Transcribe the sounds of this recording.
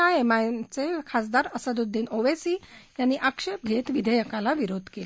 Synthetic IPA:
ajemat͡sekʰasd̪aɾəsəd̪ud̪ʱːiːnoʋesijanːiʔakʂep̚ɡʱet̪ʋid̪ʱəjəkalaʋiɾod̪ʱkel

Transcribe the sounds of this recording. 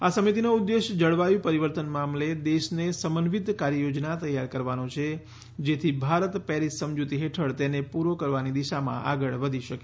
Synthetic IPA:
asəmit̪inoud̪ːeʃd͡ʒəɭʋajũpəɾiʋəɾt̪ənmamled̪eʃnesəmənʋid̪kaɾjəjod͡ʒnat̪əjːaɾkəɾʋanõt͡ʃʰe | d͡ʒet̪ʰibʱaɾət̪pɛɾisːəmd͡ʒut̪iɦeʈʰəɭt̪enepuɾokəɾʋanid̪iʃamã̰ʔa̰ɡəɭʋəd̪ʱiʃəke

